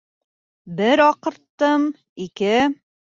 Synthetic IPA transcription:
bɘɾɒqɤ̆ɾt̪ːɤm | ikɘ

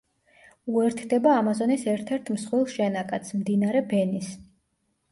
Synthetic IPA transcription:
uɛɾt̪ʰd̪ɛbaːmazɔnisɛɾt̪ʰɛɾt̪ʰmsχwilˠʃɛnakʼat̪sʰmd̪inaɾɛbɛnis

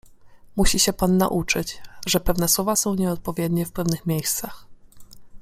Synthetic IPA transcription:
muɕiɕɛpanːa̰ʔut͡ʂɘt͡ɕʐɛpɛvnɛswɔvasɔ̃w̃ɲɛɔt̪̚pɔvʲjɛd̪ɲɛfpɛvnɘxmʲejst̪sax

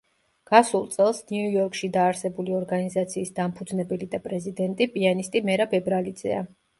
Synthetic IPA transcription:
ɡ̥asulˠt̪sʼɛlˠsniujɔɾkʼʃid̪aːɾsɛbuliɔɾɡanizat̪sʰiːsd̪ampʰud̪znɛbɛlid̪apʼɾɛzid̪ɛnt̪ʼipʼianist̪ʼimɛɾabɛbɾalid̪zɛ̰a

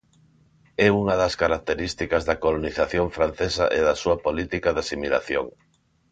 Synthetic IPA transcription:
ɛuŋɐðɐskaɾak̚t̪eɾist̪ikɐzðɐkoloniθaθjoŋfɾan̟θesɐ̰ʔeðɐsuɐpolit̪ikɐðasimila̰θjo̰ŋ

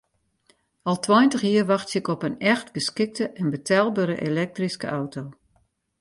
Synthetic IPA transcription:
ɔlˠtʰwɔjntəxjiərʋɑxtsɪkɔpənɛxtɡ̥əskɪk̚təʔɛnbətʰɛlˠbəɾəʔelɛk̚triskə̰ʔawtʰow

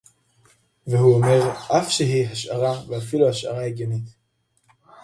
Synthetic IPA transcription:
vehuome̞ʁʔafʃeɦiɦaʃʔaʁaveafiluhaʃʔa̰ʁaeɡjenit̪

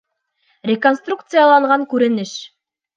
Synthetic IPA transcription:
rʲeko̞nst̪rukt̪sɨjalˠɑɴʁɑŋkʉɾɘ̆nɘʃ

